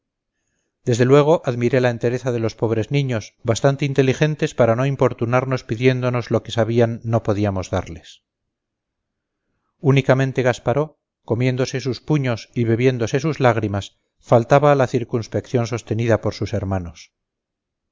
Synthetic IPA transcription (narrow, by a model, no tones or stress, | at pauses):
d̪e̞zðe̞lwe̞ɣ̞o̞ʔaðmiɾe̞laent̪e̞ɾe̞θaðe̞lo̞spo̞βɾe̞znĩɲo̞sβast̪ant̪eint̪e̞lixe̞nt̪e̞spaɾano̞impo̞ɾt̪unaɾno̞spiðje̞nd̪o̞no̞zlo̞ke̞saβianːo̞po̞ðiamo̞zða̰ɾle̞s | unikamẽ̞nt̪e̞ɣ̞aspaɾo̞ | ko̞mje̞nd̪o̞se̞suspuɲo̞siβe̞βje̞nd̪o̞se̞suzlaɣ̞ɾimas | falt̪aβaːlaθiɾkunspe̞kθjo̞nso̞st̪e̞niðapo̞ɾsuse̞ɾmano̞s